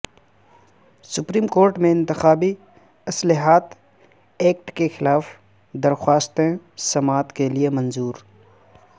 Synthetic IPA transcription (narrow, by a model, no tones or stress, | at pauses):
sʊpɾiːmkoːɾʈmẽɪ̃nt̪ɪxaːbi | ɐslɪɦaːt̪ | eːk̚ʈkexɪlaːf | d̪ɐɾxwaːst̪ẽ | sɐmaːt̪keliemɐ̃nzuːɾ